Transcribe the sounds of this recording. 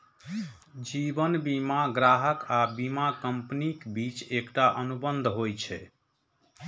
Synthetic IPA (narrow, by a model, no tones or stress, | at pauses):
d͡ʒibənbimaɡɾaɦəkabimakəmpnikbit͡ʃekʈaʔənubənd̪ʱɦojt͡ʃʰɛ